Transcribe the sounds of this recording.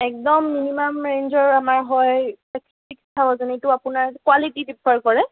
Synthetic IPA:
ɛk̚dɔmːinimamɹejnzɔɹamaɹɦɔjpɛks | ikstʰabɔzanitʊapʊnaɹkwalitidipʰːaɹkɔɹɛ

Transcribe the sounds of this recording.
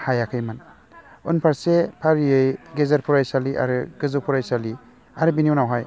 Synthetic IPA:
hajakʰɯjman | unpʰaɾsepʰaɾijɯjɡezaɾpʰuɾajsaliʔa̰ɾɯɡɯzopʰuɾajsali | aɾɯbiniunawɦaj

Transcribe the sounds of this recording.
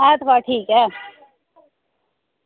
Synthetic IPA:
at̪ʰʋaʈʰiːkɦɛː

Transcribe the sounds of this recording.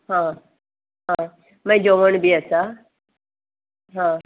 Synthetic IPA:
ɦã | ɦã | mə̃d͡ʒoʋəɳ̃biəsa | ɦãː

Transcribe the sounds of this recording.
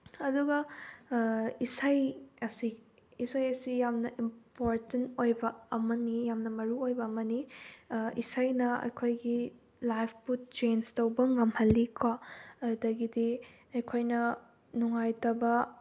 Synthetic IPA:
ɐduɡɐ | isajɐsi | isajɐsijamnɐʔimpoɾtentojbɐɐmɐnijamnɐmɐɾuojbɐːmɐni | isajnɐɐ̰jkʰojɡi | lajpʰput͡ʃenstɐwbɐŋɐmhɐlːikʰwaɐdɐɡidi | ɐjkʰojnɐ | nuŋajtɐbɐ

